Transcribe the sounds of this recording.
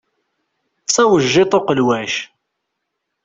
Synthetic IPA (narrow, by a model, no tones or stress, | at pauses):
t͡sːæwəʒːɪt̪ˤoqəlwæʃ